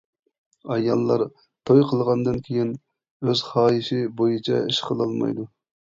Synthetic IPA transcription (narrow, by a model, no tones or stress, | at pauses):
ɑjɑlˠːɑɾ | t̪ʰojqʰəlˠʁɑnd̪ɨnkʲʰejin | øz̥χɑːjiʃɪbojit͡ʃʰɛ̰iʃqʰəlˠɑlˠmɑ̰jd̪u